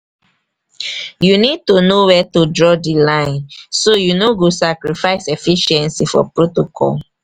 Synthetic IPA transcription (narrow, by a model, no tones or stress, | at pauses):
junid̚tunowɛtudɹɔdilãɪ̃nsojunoɡosakɹifaɪsefiʃɛ̃nsifɔ̰pɹotokʰɔ̰l